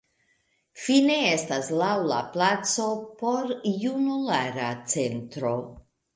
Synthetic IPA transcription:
fine̞estaslawla̰plat͡so̞po̞ɾjunulaɾat͡sentɾo̞

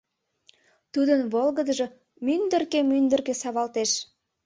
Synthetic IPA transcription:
t̪ud̪ənβolˠɡəd̪əʒɤ | mynd̪ərkemynd̪ə̆rkesɑβɑlt̪eʃ

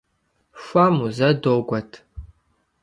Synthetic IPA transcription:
fʷamuzɐdoːɡʷɐtʰ

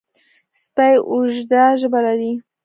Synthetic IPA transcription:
spajʔʊʒd̪aʒəbalaɾi

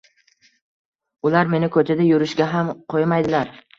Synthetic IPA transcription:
ʊlaɾme̞nɪkʰɵt͡ʃ̪ʰad̪ajʊɾɪʃɡʲaɦamqʰojmajd̪ɪlaɾ

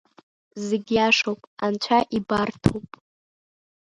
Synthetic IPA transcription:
zeɡʲiaʂowpʼant͡ʃʷʰaʔibartʰowpʼ

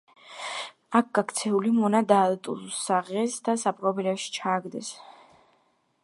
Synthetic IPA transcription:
ak̚ʰɡ̥akʰt̪sʰɛulimɔnad̪alt̪ʼṵlsaʁɛsd̪asapʼqʼɔbilɛfʃi̥t͡ʃʰaːɡd̪ɛs

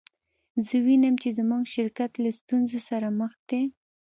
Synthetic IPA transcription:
zəwinəmt͡ʃezəmuɡʃɪɾkat̪last̪unzosaɾaməxd̪e

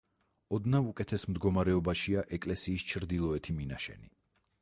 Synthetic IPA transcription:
ɔd̪naukʼɛt̪ʰɛsmd̪ɡɔmaɾɛɔbaʃiaʔɛkʼlɛsiːst͡ʃʰɾd̪ilˠɔɛt̪ʰiminaʃɛ̰ni

